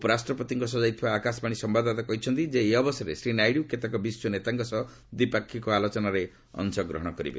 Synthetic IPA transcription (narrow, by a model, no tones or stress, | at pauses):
opɔɾasʈɾɔpɔt̪iŋkusɔd͡ʒajt̪ʰibaːkasbaɽ̃isɔmbad̪at̪akɔɦit͡ʃʰɔnt̪id͡ʒeːɔbɔsɔɾḛsɾinajɽiuket̪akɔbisːɔnet̪aŋkɔsɔ | d̪ipakʰːikɔalot͡ʃɔnaɾe | ɔ̰nsɔɡɾɔ̰ɦɔɽ̃ɔkɔɾḭbḛ